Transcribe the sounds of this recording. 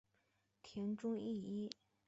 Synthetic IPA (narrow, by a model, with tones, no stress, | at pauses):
t̪ʰjɛ˧˥nʈ͡ʂʊ˥ŋi˥˩i˥